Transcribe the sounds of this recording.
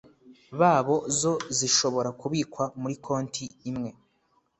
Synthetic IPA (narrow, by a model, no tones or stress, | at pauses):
βaːβo̞zo̞ziʃo̞βo̞ɾakuβiːkwamuɾikʰo̞ːntʰiːmŋe̞